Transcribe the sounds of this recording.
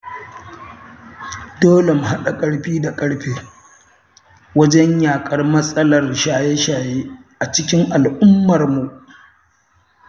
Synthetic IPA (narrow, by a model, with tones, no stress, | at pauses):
doː˦le˨m˨ha˦ɗa˨kʼɐ˦ɽɸiː˦da˨kʼɐ˦ɽɸeː˦ | wɐ˦d͡ʒɛ˦ɲjaː˨kʼɐ˦rmɐ˦sʼɐ˦lɐ˨rʃaː˨je˦ʃaː˨jeː˦ʔa˨t͡ʃɪ˦kʲɪ˦ŋʔa˨lʔʊ˦mːɐ˨rmu˨ʔ